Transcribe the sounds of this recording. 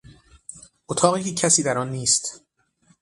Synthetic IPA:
ʔot̪ʰɒːɣiːicʰːæsiːd̪æɾɒnːiːst̪

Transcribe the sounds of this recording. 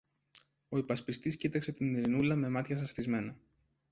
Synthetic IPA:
o̞ipɐspist̪iscit̪ɐkse̞t̪iniɾinulɐme̞mɐt̪çɐs̬ɐst̪izme̞nɐ

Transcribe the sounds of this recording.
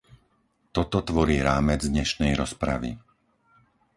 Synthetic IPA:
t̪ɔt̪ɔt̪ʋɔɾiːɾaːmɛd͡zd̪ɲɛʃnɛjɾɔspɾa̰ʋḭ

